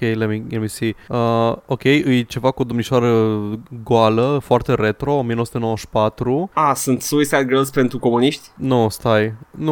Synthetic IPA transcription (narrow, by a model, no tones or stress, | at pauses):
kejlemielmisiəokʲe̞jɨjt͡ʃe̞vakuod̪omniʃoaɾəɡoaləfoart̪eɾet̪ɾo̞omijenosu̥t̪eowəʃpat̪ɾuasunt̪suisad̪̚ɡɾelspent̪ɾuko̞muniʃt̪ʲnust̪ajnu